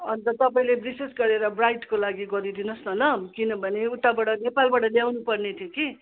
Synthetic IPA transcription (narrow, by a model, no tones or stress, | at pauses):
ʌnt̪ʌt̪ʌpaĩlebisesɡʌɾeɾʌbrajʈkolaɡiɡʌɾid̪inʌsnʌlʌkinʌbʱʌneut̪ːabaɽʌnepalbaɽʌljawnupʌrnet̪ʰjoki